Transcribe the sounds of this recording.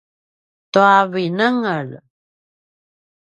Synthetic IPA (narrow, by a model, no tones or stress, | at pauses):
t̪uavinəŋəɻ